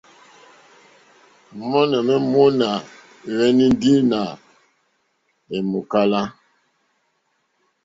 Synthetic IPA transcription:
mɔ˦nɛ˨mɛ˦mo˦na˨ | ɣɛ˦ni˦n˦di˦na˨ | ɛ˨mu˨ka˦la˦

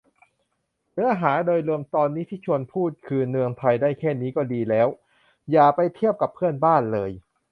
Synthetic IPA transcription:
nɯ˦˥ɐɦaː˩˦doː˧jlu˧əmt̪ɔː˧nːiː˦˥t̪ʰiː˥˩t͡ɕʰu˧ənpʰuː˥˩t̪̚kʰɯː˧nɯ˧əŋt̪ʰa˧jdaː˥˩jkʰɛː˥˩niː˦˥kɔː˥˩diː˧lɛː˦˥w | jaː˨˩pa˧jt̪ʰi˥˩əp̚ka˨˩pʰːɯ˥˩ənbaː˥˩nlɤː˧j

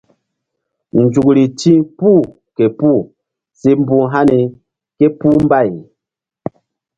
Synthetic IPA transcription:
n̩˨d͡ʒu˨ku˨li˨ti˦pu˦˨ | ke˨pu˦˨ | se˨m̩˦bu˦˨ŋɦa˦ni˨ | ke˦pu˦m˦ba˦˨j

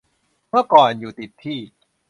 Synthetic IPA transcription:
mɯ˥˩əkɔː˨˩njuː˨˩t̪i˨˩t̪ʰːiː˥˩

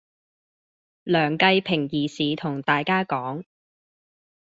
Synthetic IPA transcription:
lœː˨˩ŋkɐ˧jpʰɪ˨˩ŋjiː˨siː˨t̪ʰʊ˨˩ŋt̪aː˨jkaː˥kɔː˨˥ŋ

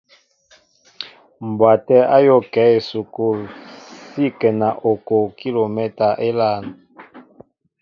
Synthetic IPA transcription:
m˨bwa˨tɛ˦a˦jo˦˨kɛ˨˦e˨su˨ku˦si˦kɛ˨na˨ʔo˨kɔ˨ki˦lo˨mɛ˦ta˨ʔe˦la˦˨na˨

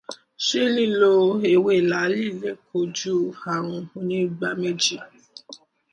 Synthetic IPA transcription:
ʃe˦nĩ˦lo˧e˨we˧˦i˨la˨˦li˦˨le˨˦kʰo˧˨d͡ʒu˦a˨ɾ̃ũ˧o˧nĩ˦ɡ͡ba˧me˦d͡ʒi˦

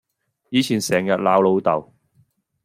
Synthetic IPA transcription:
jiː˨˧t͡sʰiː˨˩nsɛː˨˩ŋjɐ˨t̚laː˨˥wlo˨˧˥wt̪ɐ˨w

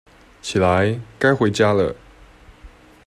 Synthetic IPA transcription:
t͡ɕʰi˨˩la˨˦ɪka˥ɪxwe˨˧˥ɪt͡ɕja˥lə̰˨

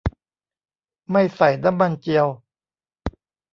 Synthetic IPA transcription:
ma˥˩jsa˨˩jna˦˥mːa˧nt͡ɕi˧əw

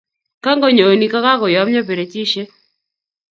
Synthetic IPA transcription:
ka˦ŋɡɔ˦ɲo˨o˨ni˨ka˦ka˦kɔ˨jɔ˨˦mɲɔ˦pe˨ɾe˨t͡ʃi˦ʃe˦

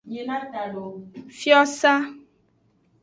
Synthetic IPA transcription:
ɲe˨nã˦ta˨lo˨fjɔ˦sa˦

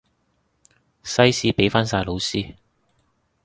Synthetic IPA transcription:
sɐ˥jsiː˨˥pe˨˥jfaː˥nsaː˧jlo˨˧wsiː˥

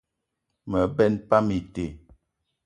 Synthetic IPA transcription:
mə˨bɛ˦npa˦mi˨te˨

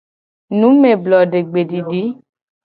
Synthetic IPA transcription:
nũ˨˦me˨blɔ˨ɖe˨ɡ͡be˨di˨di˨˦

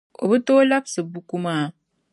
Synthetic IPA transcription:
o̰˨βu˦to˦la˦bsɨ˨bu˦ku˦maː˦˨

